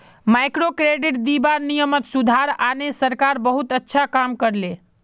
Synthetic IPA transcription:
majkɾokɾeɖiʈd̪ibanijəmət̪sud̪ʱaɾanesəɾkaɾbəɦut̪ətːʃʰakamkəɾle

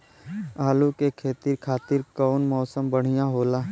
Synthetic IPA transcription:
aːlukekʰeːt̪ɪɾkʰaːt̪ɪɾkɔːnmɔːsəmbəɽ̤̃ijaɦoːlaː

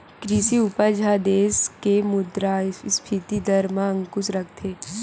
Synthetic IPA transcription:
kɾɪsiʊpəd͡ʒʱad̪eːskemʊd̪ɾaspʰit̪id̪əɾmãə̃ŋkʊsɾɐk̚ʰt̪ʰeː

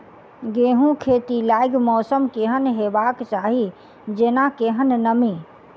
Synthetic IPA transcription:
ɡeːɦũkʰeːt̪ilaːɪɡmɔːsəmkeɦənɦebaːkt͡ʃaːɦi | d͡ʒeːnakeɦənːəmi

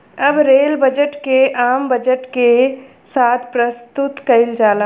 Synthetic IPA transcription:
ɐbɾeːlbəd͡ʒəʈkeʔaːmbɐd͡ʒəʈke | saːt̪ʰpɾɐst̪ʊt̪kɐɪld͡ʒaːla

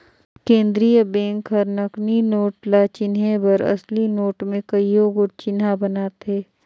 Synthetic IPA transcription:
kẽːnd̪ɾiːjəbẽːŋkɦɐɾnəkninoːʈlat͡ʃɪnebɐɾɐ̰slinoːʈmẽkɐijoɡʊʈ̚t͡ʃɪnabɐnaːt̪ɦeː

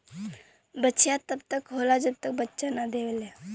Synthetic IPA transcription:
bət͡ɕʰjat̪ːəp̚t̪əkɦolad͡zənt̪ək̚bətːɕanːad̪eʋlja

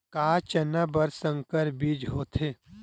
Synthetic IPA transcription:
kaːt͡ʃɐnabɐɾsə̃ŋkəɾbiːd͡ʒɦoːt̪ʰeː

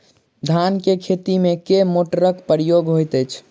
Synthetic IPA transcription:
d̪ʱankekʰet̪imekemoʈəɾəkpəɾijoɡɦojt̪əjt͡ʃʰ

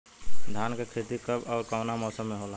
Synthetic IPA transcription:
d̪ʱaːnkekʰɾet̪ikəbɔːɾkɔːnamɔːsəmːẽɦoːlaː

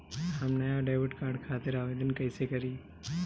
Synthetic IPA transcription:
ɦamnajaɖaːʋɪʈkãːɖkʰaːt̪ɪɾaːʋeːd̪ənkəɪsekəɾi

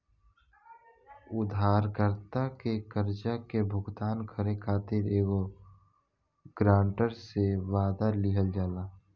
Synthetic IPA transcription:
ʊd̪ʱaːɾkəɾt̪akekəɾd͡ʒakebʱʊɡt̪aːnkʰəɾekʰaːt̪ɪɾeːɡo | ɡ̥ɾãːɳʈəɾseʋaːd̪alɪɦəld͡ʒaːd̪aː

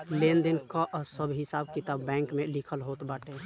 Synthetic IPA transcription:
lend̪inkaʔɔsəbʱɦɪsab̚kit̪abbɛ̃ŋkmelikʰəlɦot̪baʈe

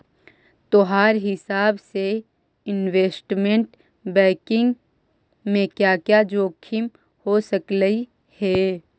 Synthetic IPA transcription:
t̪oɦaːɾɦɪsaːbse | ɪnweːsʈmẽɳʈ | bɛ̃ːkɪ̃ŋɡ | mẽkjaːkjad͡ʒoːkʰim | hosəkləi | hɛ

